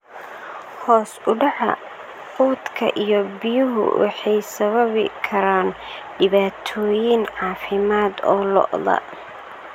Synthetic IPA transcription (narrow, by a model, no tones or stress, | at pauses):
hɔːsʊɖɑħɐ̰ | quːd̪kʰɐʔijɔbɪjʊɦʊ̰wɑ̰ħɑjsɐβɐβɪkʰɐɾaːn | ɖɪβaːt̪ʰɔːjɪnʕɑːfɪmaːd̪ɔːlɔ̰ʔðɐ̰